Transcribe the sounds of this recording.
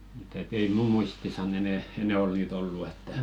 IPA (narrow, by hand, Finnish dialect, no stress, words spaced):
m̩t et ei muː muistisɑn enɛ enɛ ol niːt olːu etːæ